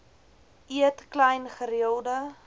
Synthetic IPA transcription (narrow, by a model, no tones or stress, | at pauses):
ʔiətklɛjnχəɾiəlˠdə